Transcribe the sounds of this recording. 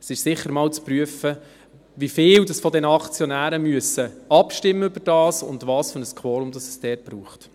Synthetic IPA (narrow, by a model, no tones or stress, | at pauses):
ɛsɪʃsɪχəɾmɑːlt͡spryəfə | ʋifɪːldɑsfɔdɛnəɑkt͡sjɔnæːɾəmyəsəɑpʃtɪmːəʏb̥əɾd̥ɑːsʊ̰ndʋɑːsfønəskʰwoːɾʊmd̥ɑsə̥sd̥ɛːt̚b̥ɾuːχt